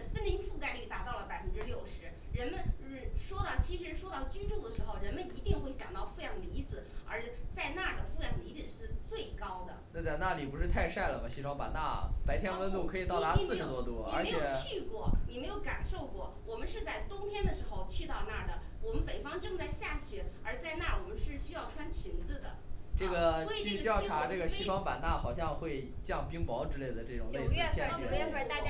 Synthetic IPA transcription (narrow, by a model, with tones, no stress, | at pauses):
sə˥nli˧˥nfu˥˩ka˥˧ɪly˥˩t̪a˧˥t̪ɑ˥˩ʊlə˩pa˨˩ɪfə˥nʈ͡ʂɻ̩˥ljo˥˩ʊʂɻ̩˧˥ɻə˧˥nmə˧n̩˧˥˩ʂwɔ˥t̪ɑ˥˩t͡ɕʰi˧˥ʂɻ̩˧˥ʂwɔ˥t̪ɑ˥˩ʊt͡ɕy˥nʈ͡ʂʊ˥˩d̪ə˩ʂɻ̩˧˥xo˥˧ʊɻə˧˥nmə˧ni˧˥t̪i˥˧ŋxwe˥˩ɪɕjɑ˨˩ŋt̪ɑ˥˧ʊfu˥˩˧jɑ˧˩ŋli˧˥d͡zɹ̩˧˩ə̰˞˧˥t͡sa˥˧ɪna˥˩d̪ə˩fu˥˧jɑ˩ŋli˧˥d͡z̩˨˩ʂɻ̩˥˧t͡swe˥˩ɪkɑ˥ʊd̪ə̰˨na˥˧t͡sa˥˧na˥˩li˨˩pu˧˥ʂɻ̩˥˧t̪ʰa˥˧ɪʂa˥˩ɪlə˩mɐ˩t͡ɕʰi˧˥˩ŋpa̰˨˩na̰˥˩pa˧˥ɪt̪ʰjɛ˥nwə˧˥nt̪u˥˩kʰɤ˧˥i˨˩t̪ɑ˥˩ʊla˧˥sɹ̩˥˩ʂɻ̩˨˩t̪wɔ˥t̪wɔ˥i˨ə˞˧˥t͡ɕe˥jɛ˨˩ʊʊt͡ɕʰy˥˧kwɔ˥˩ni˨˩me˧˥ɪjo˧˥ʊka˨˩nʂo˥˧ʊkwɔ˥˩wɔ˨˩mə˦nʂɻ̩˥˧t͡sa˥˩ɪt̪ʊ˥ŋt̪ʰjɛ˥nd̪ə˨ʂɻ̩˧˥xo˥˧ʊt͡ɕʰy˥˧t̪ɑ˥˧ʊna˥˩d̪ə˩wɔ˨˩mə˦npe˨˩ɪfɑ˥ŋʈ͡ʂɤ˥˧ŋt͡sa˥˧ɪɕja˥˩ɕɛ˧˥ə˞˧˥t͡sa˥˧ɪna˥˩wɔ˨˩mə˦nʂɻ̩˥˩ɕy˥jɑ˥˩ʊʈ͡ʂʰwa˥nt͡ɕʰi˧˥nd͡zɹ̩˥˧d̪ə˩ʈ͡ʂɤ˥˩ɡə˩wi˨t͡ɕy˥˧˩t̪jɑ˥˩ʊʈ͡ʂʰa˧˥ʈ͡ʂɤ˥˩ɡə˩ɕi˥˩fɑ˥ŋpa˨˩na˥˩xɑ˨˩ʊɕ̬jɑ˥˧ŋxwe˥˧ɪt͡ɕjɑ˥˩ŋpi˥ŋpɑ˧˥ʊʈ͡ʂɻ̩˥le˥˩ɪd̪ə˩ʈ͡ʂɤ˥˩ʈ͡ʂʊ˨˩ŋt͡ɕ̪e˩˥˩ɛ˥tʰjɛ˥ɛ˥˧˩t̪a˥˧˩t͡ɕj